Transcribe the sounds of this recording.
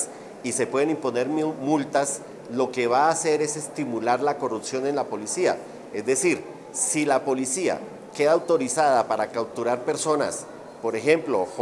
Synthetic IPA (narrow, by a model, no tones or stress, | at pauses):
s | ise̞pwe̞ðenimpo̞ne̞ɾmmult̪as | lo̞ke̞βaːse̞ɾe̞se̞st̪imulaɾlako̞rupsjo̞ne̞nlapo̞lisia̰ | e̞zd̪e̞siɾ | silapo̞lisia̰ | ke̞ðaːwt̪o̞ɾisaðapaɾakaw̚t̪uɾaɾpe̞ɾso̞na̰s | po̞ɾe̞xe̞mplo